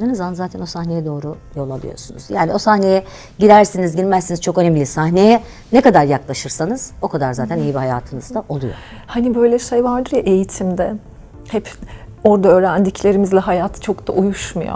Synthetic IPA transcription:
d̪ɯnɯzamanzaːt̪ʰæno̞sahne̞jɛd̪o̞ːɾu | jo̞lˠalˠḭjo̞̰ɾsunṵz̥jaːnio̞sahne̞jɛ | ɟiɾæɾsinizɟilmæsːinizt͡ʃʰo̞kønemlʲisahnejɛ | nekad̪aɾjaklˠaʃɯɾsanɯz̥o̞kʰad̪aɾzaːt̪ʰænejibiɦajaːt̪ʰɯnɯzd̪aʔo̞lˠujo̰ | hanibø̞jlʲɛʃejbaɾd̪ɯɾjaʔejit̪ʰimd̪ɛ | hɛp | o̞ɾd̪aøːɾænd̪iclʲe̞ɾimizlʲɛɦajat̪ʰt͡ʃʰo̞kd̪a̰ʔujuʃmujo̰

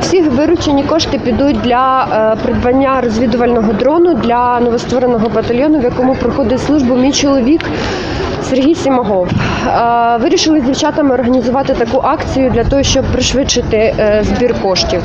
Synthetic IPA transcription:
sʲiʋɪɾʊt͡ʃenʲikɔʃt̪ɪpʲid̪ut̚ʲd̪lʲɐpɾɪd̪bɐnʲːaɾɔzʲʋʲid̪ʊʋɐlʲnɔɦɔd̪ɾɔnʊd̪lʲɐnɔʋɔst̪ʋɔɾenɔɦɔbɐt̪ɐlʲjɔnʊʋjɐkɔmʊpɾɔxɔd̪ɪtʲslˠuʒbʊmʲijt͡ʃɔlˠɔʋʲik | serɦʲijsʲimɐɦɔw | ʋɪɾʲiʃɪlˠɪzʲdʲiwt͡ʃɑt̪ɐmɪɔrɦɐnʲizʊʋɑt̪ɪt̪ɐkuʔɑkt͡sʲijʊd̪lʲɐt̪ɔɦɔʃt͡ʃɔb̚pɾɪʃʋɪt͡ʃɪt̪ɪzbʲirkɔʃt̪ʲiw

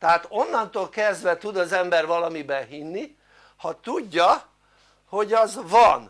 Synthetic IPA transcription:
t̪ɛɦaːt̪o̞nːɒnt̪oːlkɛzd̪ʋɛt̪ud̪ɒzɛmbɛrvɒlɒmibɛɦinːi | hɒt̪uɟːɒ | ho̞ɟɒzvɒn

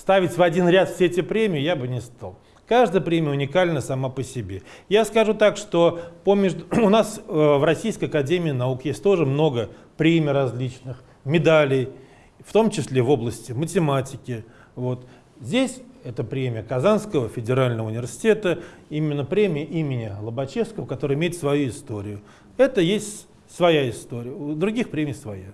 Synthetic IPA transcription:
st̪avʲɪtʲvɐdʲinɾʲat̪fsʲeetʲɪpɾʲemʲɪjɪjabɨnʲɪst̪a̰lˠ | kaʐd̪əjəpɾʲemʲɪjəʊnʲɪkalʲnəsɐmapəsʲɪbʲe̞jaskɐʐut̪akʂt̪o̞pəmʲeʐd̪ʊʊnasvrɐsʲijskəjɐkɐdʲemʲɪːnaukjesʲtʲt̪o̞ʐɨmno̞ɡəpɾʲemʲɪijrɐzʲlʲit͡ɕnɨx | mʲɪd̪alʲɪj | ft̪o̞mt͡ɕɪsʲlʲevo̞blˠəsʲtʲɪmətʲɪmatʲɪkʲɪ | vo̞t̪ | zʲdʲesʲɛt̪əpɾʲemʲɪjəkɐzanskəvəfʲɪdʲɪɾalʲnəvəʊnʲɪvʲɪrsʲɪ̥tʲe̞t̪əimʲɪnːəpɾʲemʲɪjəʔimʲɪnʲɪlˠəbɐt͡ɕefskəvəkɐt̪oɾəɪmʲeɪt̪svɐjuɪst̪o̞ɾʲɪjʊ | ɛt̪əjesʲtʲ | svɐjaɪst̪o̞ɾʲɪjəd̪ɾʊɡʲixpɾʲemʲɪjsvɐja̰

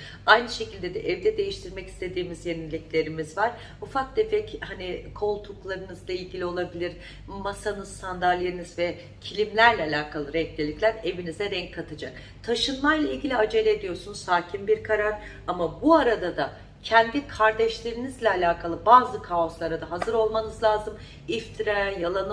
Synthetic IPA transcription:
ajnɯʃe̞cʰilʲd̪ed̪ɛʔɛvd̪ɛd̪e̞jiʃt̪ʰiɾmɛci̥st̪ʰe̞d̪iːmizjenilʲiclʲe̞ɾimizvaɾ̥ | ufak̚d̪efɛchanikʰo̞lˠt̪ʰuklˠaɾɯnɯzlˠailʲɟilʲio̞lˠabilʲiɾ | masanɯzsand̪alʲlːʲeɾinɯzvɛ | cʰilʲimlʲæɾlʲɛːlʲaːkʰalˠɯɾɛclʲilʲiclʲæɾe̞vinizɛd̪ɛɲckʰːat̪ʰad͡ʒak̚ | t̪ʰaʃɯnmajlˠailʲɟʲilʲiad͡ʒe̞lʲeed̪ijoɾsunzsaːcʰimbiɾkʰaɾaɾ | amabuaɾad̪ad̪a | cʰɛnd̪ikʰaɾd̪ɛʃlʲe̞ɾinizlʲɛːlʲaːkʰalˠɯbaːzɯkʰao̞slˠaɾad̪aɦazɯɾo̞lˠmanɯzlʲˠaːzɯm | ift̪ʰiɾajajalˠan

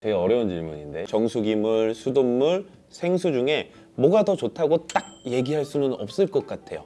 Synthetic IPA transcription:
teɡeʌɾjʌunt͡ɕiɭmuɲinde̞t͡ɕʌŋsʰuɡimuɭsʰudomːuɭ | sʰe̞ŋsʰud͡ʑuŋe̞ | mwʌɡadʌt͡ɕotʰaɡot͈ak̚je̞ɡiɦaɭs͈unɯnʌp̚s͈ɯɭk͈ʌk̚k͈atʰe̞̰jo̰

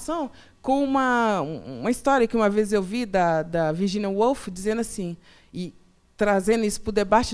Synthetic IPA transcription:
sɐ̃w̃ | kõw̃ũmɐuṵ̃mɐist̪ɔɾiɐkɪũmɐvezɪzewvid̪ɐd̪ɐviɾʒĩniɐwowfd͡ʒizẽnd̪ʊasĩ | ɪ | t̪ɾazẽnd̪ʊisʊ̥pɾʊd̪ebat͡ʃɪ

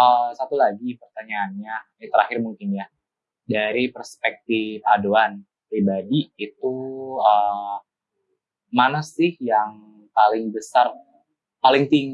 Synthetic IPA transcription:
ʔəsat̪ulaɡipərt̪aɲaːnɲa | at̪əɾahɪrmuŋkɪnja | daɾipərspɛk̚t̪ɪfadoan | pɾibadiːt̪uə | manasɪhjaŋ | palɪŋbəsar | palɪŋt̪ɪŋ

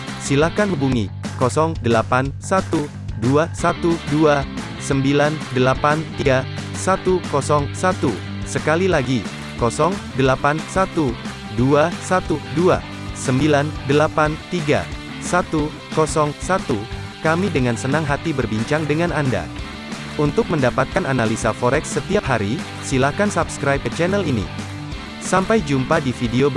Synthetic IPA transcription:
silahkanɦubuŋi | kɔsɔŋdəlapansat̪u | duasat̪udua | səmbilandəlapant̪iɡa | sat̪ukɔsɔŋsat̪u | səkalilaɡi | kɔsɔŋdəlapansat̪u | duasat̪udua̰ | səmbilandəlapant̪iɡa̰ | sat̪u | kɔsɔŋsat̪u | kamidəŋansənaŋɦat̪ibərbiɲt͡ʃaŋdəŋananda̰ | unt̪ʊk̚məndapat̪̚kananalisafɔɾɛksːət̪iap̚haɾi | silahkansabskɾajp̚ət͡ʃɛnəlinḭ | sampajd͡ʒumpadifideob

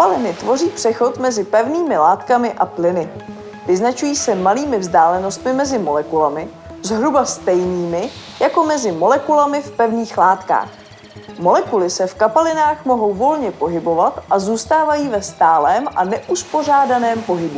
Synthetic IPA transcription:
kapalɪnɪt̪vo̞riːpr̝̥ɛxo̞t̪mɛzɪpɛvniːmɪlaːt̪kamɪʔaplɪnɪ | vɪznat͡ʃujiːsɛmaliːmɪvzdaːlɛnost̪mɪmɛzɪmo̞lɛkulamɪ | zɦɾubast̪ɛjniːmɪjako̞mɛzɪmo̞lɛkulamɪfpɛvniːxlaːt̪ka̰ːx | mo̞lɛkulɪsɛfkapalɪnaːxmo̞ɦo̞wvo̞lɲɛpo̞ɦɪbo̞vat̪ʔazuːst̪aːvajiːvɛst̪aːlɛːmʔanɛʔuspor̝aːdanɛːmpo̞ɦɪbu

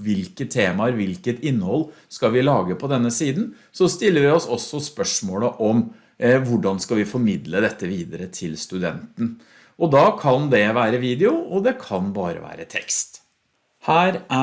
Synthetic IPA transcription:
ʋɪlkət̪ʰːeːmɑəɾʋɪlkət̪ɪnːhɔlː | skɑʋɪlɑːɡəpʰɔd̪ɛnːəsiːd̪n̩ | sɔst̪ɪlːəɾʋɪɔsɔsːɔspœʂmoːləʔɔm | ʋʊɖɑnskɑlʋɪfɔɾmɪd̪ləd̪ɛt̪ːəʋiːd̪əɾət̪ʰɪlst̪ʉd̪ɛ̰nt̪n̩ | ʔɔd̪ɑkʰɑnd̪ɛʋæːɾəʋiːd̪ɛʊɔd̪ɛkʰɑnbɑːɾə̰ʋæ̰ːɾət̪ʰɛ̰kst̪ | hæːɾæ

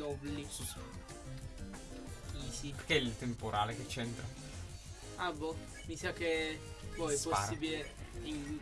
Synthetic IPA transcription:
ɔbli | isiperkeilt̪empoɾʔaːleket͡ʃːent̪ɾa | abɔ | misakepɔɛpːosaːɾiːbilei

